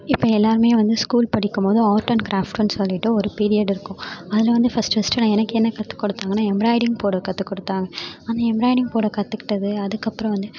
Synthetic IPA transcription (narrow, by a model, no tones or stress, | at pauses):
ɪpːɐɛlːaːɾɯmeːjɐ̃ʋɐnd̪ɯskuːlpɐɽɪkːɯmpoːðʊ̃aːɾʈːɐnkɾaːfʈɐnsɔlːɪʈːɯɔɾɯpiːɾɪjɐɽɪɾɯkːʊ̃ɐðɪlɐʋɐnd̪ɯfɐsʈfɐsʈɐnãɛnɐkːɯɛnːɐkɐt̪ːɯ̥kːɔɽɯt̪ːaːŋɡɐnaːɛmbɾaːɪɽɪŋɡpoːɽɐkɐt̪ːɯkːɔɽɯt̪ːaːŋɡɐaːnaːɛmbɾaːɪɖɪŋɡpoːɽɐkɐt̪ːɯkːɪ̥ʈːɐðɯɐðɯkːɐpːɯɾɐ̃ʋɐnd̪ɯ